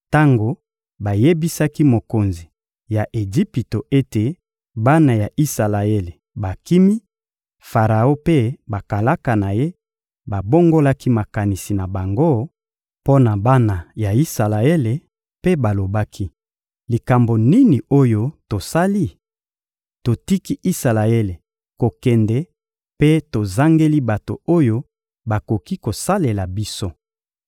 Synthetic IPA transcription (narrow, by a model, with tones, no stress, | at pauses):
ta˦ŋɡo˨ | ba˨je˦bi˦sa˦ki˦mo˨ko˨nzi˨ | ja˨ʔe˨d͡ʒi˦pi˨to˨ʔe˦te˨ | ba˦na˨ja˨ʔi˦sa˨la˨e˦le˨ | ba˨ki˦mi˦ | fa˨ʁa˨o˦pe˦ba˨ka˨la˦ka˨na˨je˦ | ba˨bo˦ŋɡo˦la˦ki˦ma˨ka˨ni˨si˨na˨ba˨ŋɡo˦ | po˦na˨ba˦na˨ja˨i˦sa˨la˨e˦le˨ | pe˦ba˨lo˨ba˦kʰi˦ | li˨ka˨mbo˨ni˦ni˨o˦jo˦to˨sa˦li˦˨ | to˨ti˦ki˦ʔi˦sa˨la˨e˦le˨ | ko˨kɛ˨ndɛ˦ | pe˦to˨za˦ŋɡe˦li˦ba˨to̰˨o˦jo˦ | ba˨ko˨ki˦ko˨sa˦le˨la˨bi˦so˦